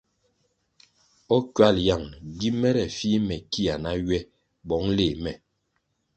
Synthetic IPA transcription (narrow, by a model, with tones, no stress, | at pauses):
ɔ˦kɥa˦˨lja˦˨ŋɡi˦mɛ˦ɾɛ˨fi˦mɛ˨ki˦a˨na˦ɥɛ˦ | bɔ˨˦ŋle˨mɛ˨